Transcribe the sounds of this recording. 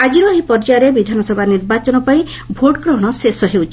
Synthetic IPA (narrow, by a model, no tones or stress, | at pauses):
ad͡ʒiɾɔɦipɔɾd͡ʒaɾebid̪ʱanɔsɔbʱaniɾbat͡ʃɔnɔpai | bʱoʈkɾɔɦɽ̃ɔsesɔɦewt͡ʃʰi